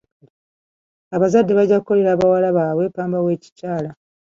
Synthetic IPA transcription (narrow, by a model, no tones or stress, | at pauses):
aβazadːe̞βaɟːakkːo̞le̞ɾaːβawalaβaːβwe̞paːmbawe̞ːci̥caːla